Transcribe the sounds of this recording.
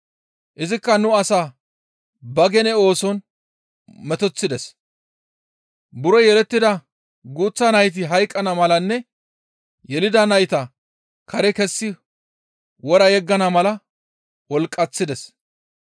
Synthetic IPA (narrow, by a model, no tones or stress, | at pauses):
ʔɪzɪkːɐnʊɐsaː | bɐɡɛnɛo̞ːsɔn | mɛt̪ɔt͡sːɪd̪ɛs | bʊɾɔjɛɾɛt̪ːɪd̪ɐ | ɡuːt͡sːɐnɐjt̪̬ɪɦɐjkʼːɐnɐmɐlɐnːɛ | jɛlɪd̪ɐnɐjt̪ɐ | kʰɐɾɛkɛsːɪ | wɔɾɐjɛɡːɐnɐmɐlɐ | wɔlkʼːɐt͡sːɪd̪ɛs